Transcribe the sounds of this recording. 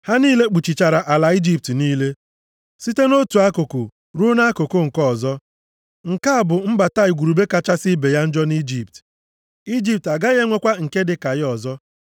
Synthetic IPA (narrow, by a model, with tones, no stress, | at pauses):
ha˦niː˦le˦k͡pu˨t͡ʃi˨t͡ʃa˨ɾa˨ʔa˨la˨i˦d͡ʒi˦p̚tniː˦le˦ | si˦te˦no˦tu˨a˦ko˨ko˨ | ɾu˦na˦ko˨kʊ˦ŋ̩˨kɔ˦˨zɔ˦ | ŋ̩˨ka˦a˨bʊ˨m̩˦ba˨ta˦i˨ɡʷu˨ɾu˨be˦ka˨t͡ʃa˦sɪ˦be˨ja˦n̩˦d͡ʒɔ˦ni˦d͡ʒi˨p̚t | i˦d͡ʒi˦p̚ta˨ɡa˦ɣe˦ŋʷe˦kʷa˦ŋ̩˨ke˦dɪ˨ka˨jɪ˦ɔ˨zɔ˦